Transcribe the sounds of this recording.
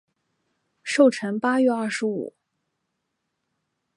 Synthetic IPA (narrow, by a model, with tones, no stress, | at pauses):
ʂo˥˩ʊʈ͡ʂʰə˧˥ŋpa˥ɥɛ˥˧ɐ˥˩ʂɻ̩˧˥ṵ˨˩˦